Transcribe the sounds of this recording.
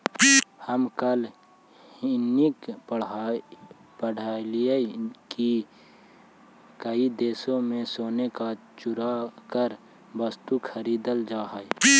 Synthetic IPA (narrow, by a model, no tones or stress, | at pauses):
həmkəl | ɪnik | pəɽ̤ʱaːlijəki | kəid̪eːsõmẽsoːnekat͡ʃʊɾakəɾ | bəst̪ukʰəɾiːd̪əld͡ʒaːɦəj